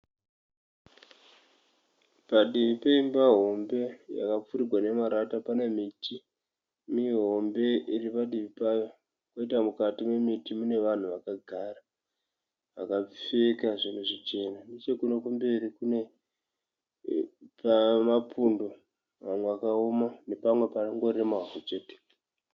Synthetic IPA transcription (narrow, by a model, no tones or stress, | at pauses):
paɗiʋipeimbaɦo̞mbe̞ja̰kap͡fuɾiɡʱwane̞maɾatapane̞mitʰi | miɦo̞mbe̞iripaɗiʋipajo | koitamukatimwe̞mitimune̞ʋan̤uʋakaɡʱara | akafekaʐineʐit͡ʃe̞nanit͡ʃekunokumbeɾikune̞ | pamapundo̞ | ʋamwe̞ʋakaomane̞pamwe̞paŋɡo̞riemaaɦot͡ʃe̞ːte̥